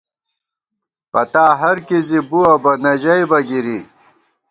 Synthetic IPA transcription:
pɐt̪aːɦɐɾkizibuɐbɐnɐʑɐjbɐɡiɾi

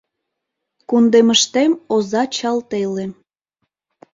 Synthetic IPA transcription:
kund̪eməʃt̪emozɑt͡ɕɑlt̪ele

